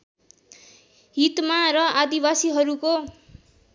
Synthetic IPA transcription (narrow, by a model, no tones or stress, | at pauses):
ɦit̪maɾʌad̪ibasiɦʌɾuko